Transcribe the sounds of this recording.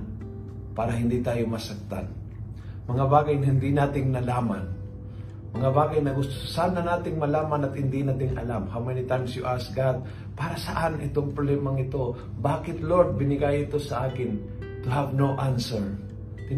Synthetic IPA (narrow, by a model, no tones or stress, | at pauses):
paːɾaɦɪnd̪it̪aːjomɐsak̚t̪a̰n | mɐŋabaːɡajnɦɪnd̪ɪnaːt̪ɪŋnɐlaːman | mɐŋabaːɡajnɐɡʊst̪ʊʊ̥sananaːt̪ɪŋmɐlaːmanat̪hɪnd̪inaːt̪ɪŋʔɐ̰lamhamɛjnɪt̪ajmsjʊʔasɡad̪̚ | paːɾasaʔanɪ̰t̪oŋpɾʊblɛmaŋɪt̪o | baːkɪt̪loɹd̪̚bɪnɪɡajɪt̪osɐʔaːkɪn | t̪ʊɦavnowʔansɛɹ | ɪ